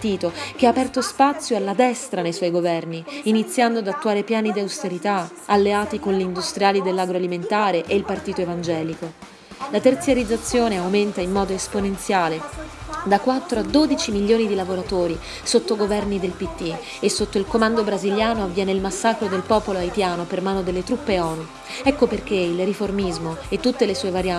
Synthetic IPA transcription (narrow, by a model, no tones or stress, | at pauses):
t̪iːt̪ok̟eaːpɛrt̪ospat̪sːjoalːad̪ɛst̪ɾanejswɔjɡovɛrniːnit̪sːjand̪oad̪at̪ːuaːɾepjaːnid̪iawst̪eɾit̪a | alːeaːt̪ikonleind̪ust̪ɾijaːlid̪elːaɡɾoaliment̪aːɾeʔeilpart̪iːt̪oevand͡ʒɛːliko | lat̪ert̪sjaɾid̪zːat̪sːjoːneawment̪aimːɔːd̪oesponent̪sjaːled̪akːwat̪ːɾoad̪od̪it͡ʃimilːjoːnid̪ilavoɾat̪oːɾi | sot̪ːoɡovɛrnid̪elpit̪ːi | esːot̪ːoilkomand̪obɾaziljaːnoavːjɛːneilmasːakɾod̪elpɔːpoloajt̪jaːnopermaːnod̪elːet̪ɾupːeɔːnu | ɛkːoperk̟eilriformizmoet̪ːut̪ːelesuːevaɾja